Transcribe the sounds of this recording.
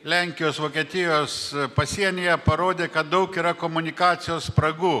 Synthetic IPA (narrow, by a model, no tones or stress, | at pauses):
lʲæŋʲkʲɪjoːsʋoːkʲiɛt̪ʲɪjoːspɐsʲiɛnʲɪjɛpɐɾoːd̪ʲeːkɐt̪̚d̪ɐʊkiːɾɐkoːmʊnʲɪkɑːt̪sʲɪjoːspɾɐɡuː